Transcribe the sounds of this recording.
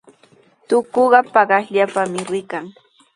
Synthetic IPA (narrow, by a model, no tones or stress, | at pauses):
t̪ʊkoɢɑpɑɢɑsʎapamɪɾɪkaŋ